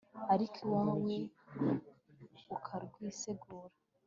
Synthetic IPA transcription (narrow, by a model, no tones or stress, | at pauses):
aɾikʰiwaːwwe | ukʰaɾɡwiːseɡuːɾa